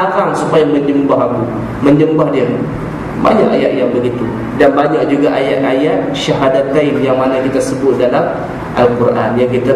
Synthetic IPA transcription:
akaŋsupajaməɲd͡ʒəmbaɦaku | məɲd͡ʒəmbahdia | ba̰ɲaʔajaʔ̪jaŋbəɡit̪u | danbaɲak̚d͡ʒuɡaʔajaʔajaʔ̪ | ʃaɦadat̪aɪnjaŋmanakit̪asəbʊt̪̚dalam | ʔalkuɾʔa̰njaŋkit̪a

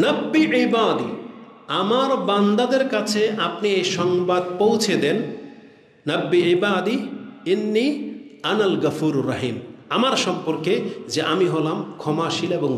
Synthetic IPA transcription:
nɐbːiʕibad̪ḭamaɾband̪ad̪eɾkat͡ɕʰeapniejʃɔŋbad̪̚powt͡ɕʰed̪en | nɐbːiibaːd̪iinːiɐnalɡɐfuɾɾɐɦimamaɾʃɔmpoɾked͡ʑeʔamiɦolamkʰɔmaʃileboŋ

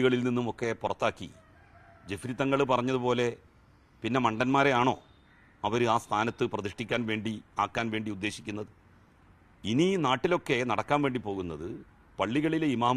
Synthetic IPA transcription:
iɣɐɭilninːumo̞kːe̞purɐt̪ːaːkːḭ | d͡ʑefɾit̪ːɐŋːɐɭpɐrɐɲːɐðupo̞ːle̞ | pinːe̞mɐɳɖɐnmaːɾe̞aːɳo̞̰ː | ɐʋɐɾuaːst̪ʰaːnɐt̪ːɨprɐðiʂʈikʲːaːnʋe̞ːɳɖiaːkːaːnʋe̞ːɳɖiud̪ːe̞ːɕikʲːunːɐðɨ | ininaːʈːilo̞kːe̞nɐɽɐkːaːnʋe̞ːɳɖipo̞ːɣunːɐðɨ | pɐɭːiɣɐɭileimaː

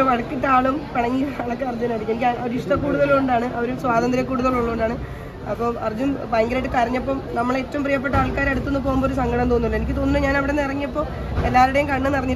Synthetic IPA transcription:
ʋɐɻɐkːiʈːaːɭumpɐɳɐŋːiɐɭɐkːeɐrd͡ʑɐnaːɽikːenikʲːɐɾiʂʈɐkːuːɽuðɐluuɳɖaːɳɨʔɐʋɐɾumswaːd̪ɐnd̪ɾjɐkːuːɽuðɐluɭːɐuɳɖaːɳɨ | ɐpːoːɐrd͡ʑunbaːŋɡɨɾeːʈːɨkɐɾɐɲːɐpːoːmnɐmːɐɭe̞ːtːɐʋumprijɐp̬ːeʈːɐaːɭkaːɾeɽut̪ːunːup̬o̞ːɣumbooɾusɐŋɡɐɽɐmt̪o̞ːnːilːɐenikʲːɨt̪oːnːnːɨɲaːnɐʋiɽenːɨirɐŋːijɐpːo̞ː | elːaːɾuɽejumkɐɳːɨnɐrɐɲːi

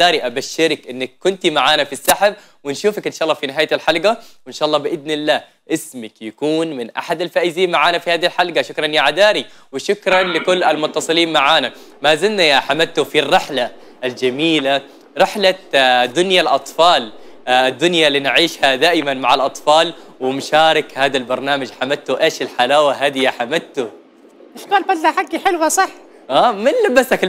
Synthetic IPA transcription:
aːɾiʔabaʃːɪɾkʔɪnːakːʊnt̪imaʕaːnafisːaħab | wɪnʃuːfakʔɪnʃaʔɑlːɑːfinɪɦaːjat̪alħalɡaɪnʃaːʔɑlːɑːbɪʔɪd̪nɪlːaː | ʔɪsmakjakuːnmɪnʔa̰ħad̪alfaːʔɪziːnmaʕaːnafihaːðihlħalɡaʃʊkɾˤɑnjaʕad̪aːɾi | wɪʃʊkɾˤɑnlɪkʊlːalmʊt̪ːɑsˤɨliːnmaʕaːna | maːzɪlnajaħamalt̪ʊfirːɪħlaː | ld͡ʒamiːla | ɾˤɪħlad̪ːʊnjalʔɑt̪ˤfɑːl | ɪd̪ːʊnjaliːnɪʕiːʃhad̪aːʔɪmanmaʕalʔɑt̪ˤfɑːlwɪmʊʃaːɾɪkhaːd̪albɑɾˤnaːmad͡ʒħamad̪t̪ːʊʔeːʃɪlħalaːwaɦaːd̪ijaħamadt̪ʊ | ɪʃkaːlfad̪laħaɡːiħɪlwasˤɑħː | ʔaːmɪnlabasak

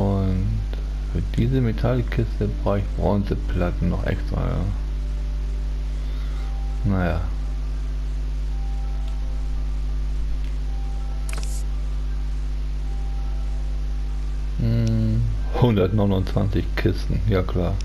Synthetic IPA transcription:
ʔʊn | t | fyːɐdiːzəmetʰalkʰːɪstəbʁaʊɪçb̥ʁɔnzəpʰlatn̩nɔχʔɛ̰kstʁ̥a̰ːja̰ː | najaː | hʊndɐtnɔɪnʊnt͡sv̥ant͡sɪçkʰɪstn̩jaːkl̥aːɐ

